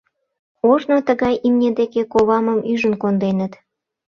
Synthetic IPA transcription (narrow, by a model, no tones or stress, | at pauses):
oʒnot̪əɣɑjimnʲed̪ekekoβɑməmyʒənkond̪enət̪